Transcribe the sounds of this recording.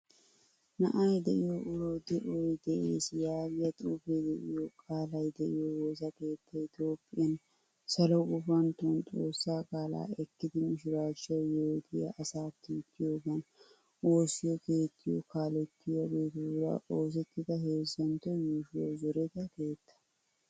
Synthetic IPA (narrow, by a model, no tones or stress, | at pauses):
nɐʔɐjd̪ɛʔɪjoʔʊɾod̪ɛʔɔjd̪ɛʔḛːsɪjaːɡɪjɐt̪ʼuːfejd̪ɛʔɪjɔkʼaːlɐjd̪ɛʔɪjɔwɔsɐke̞ːt̪ʰːɐɪt̪jo̞ːpʼːɪjɐn | sɐlɔkʊfɐnt̪ʊnt̪ʼo̞ːsːaːkʼaːla̰ːɛkːɪd̪ɪmɪʃɪɾaːt͡ʃːɐwjɛd̪ɪjɐ̰ʔɐsaːt̪ːit̪ʰːɪjoːɡɐn | o̞ːsɪjɔkeːt̪ʰːɪjɔ̰kʰaːlɛt̪ːɪjɔɡeːt̪ɪlɐ̰ʔo̞ːs̬ɛt̪ːɪd̪ɐɦe̞ːzɐnt̪ːɔjuʃɪjozɔɾɛt̪ɐke̞ːt̪ʰːɐ̥